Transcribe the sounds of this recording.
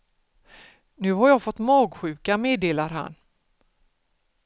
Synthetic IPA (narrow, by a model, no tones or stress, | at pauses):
nʉ̟ːɦaɾjɑːɡfɔt̪ːmɑːɡɧʉ̟ːkameːd̪eːlaɾɦa̰n